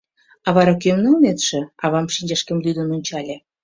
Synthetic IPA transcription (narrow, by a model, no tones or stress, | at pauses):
ɑβɑɾɑk̬ømnɤlnet̪ʃĕɑβɑmʃinʲd͡ʑeʃkə̆mlʲyd̪ə̆nonʲt͡ɕɑlʲĕ